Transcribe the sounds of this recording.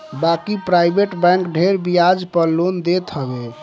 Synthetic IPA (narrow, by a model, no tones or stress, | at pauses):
bakipɾajbeʈbɛ̃ŋkɖʱeɾbijad͡ʒpəɾlond̪et̪ɦəbe